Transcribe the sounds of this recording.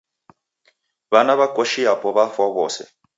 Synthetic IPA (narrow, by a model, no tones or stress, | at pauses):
βanaβakoʃiapɔβafaβɔːsɛ̰